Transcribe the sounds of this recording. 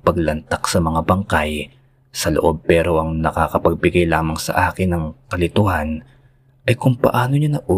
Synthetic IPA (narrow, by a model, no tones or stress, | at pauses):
pɐɡ̚lɐnt̪ak̚sɐmɐŋabɐŋkaj | sɐlo̰ʔo̞b̚pɛːɾo̞ʔɐŋnɐkaːkɐpɐɡ̚bɪɡajlaːmɐŋsɐ̰ʔaːkɪnːɐŋkɐlɪt̪ʊhan | ʔɐjkʊŋpɐ̰ʔaːnoɲanɐʔuː